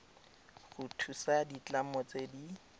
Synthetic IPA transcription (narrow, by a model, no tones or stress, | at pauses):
χutʰusadit͡ɬamɔt͡sedi